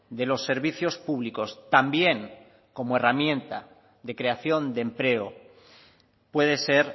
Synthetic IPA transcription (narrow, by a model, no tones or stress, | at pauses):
d̪e̞lo̞sːe̞ɾβiθjo̞spuβliko̞st̪ambje̞ŋ | ko̞moe̞ramjẽ̞nt̪a | ðe̞kɾe̞aθjo̞nd̪empɾe̞o | pwe̞ð̞e̞se̞ɾ